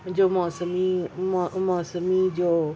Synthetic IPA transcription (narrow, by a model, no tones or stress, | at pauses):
d͡ʒoːmɔːsəmi | mɔːsəmid͡ʒoː